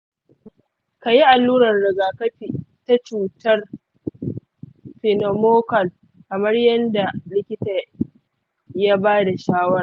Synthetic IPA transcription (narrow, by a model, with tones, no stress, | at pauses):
ka˨ji˦ʔa˨lːuː˦ɾɐ˨rɽɪ˨ɡaː˨kɐ˦ɸi˨ta˦t͡ʃuː˨tɐ˦r | ɸɪ˨no˨moː˦kɐ˨l | kɐ˨mɐ˦rjɐ˦nda˨lɪ˦kʲɪ˦ta˨ | ja˦baː˦da˨ʃaː˦wɐ˦ɾ